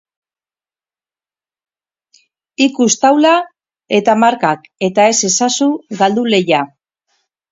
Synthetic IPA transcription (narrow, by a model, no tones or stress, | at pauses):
ikust̪awla | e̞t̪amaɾkake̞t̪ae̞se̞sasuɡald̪ule̞ja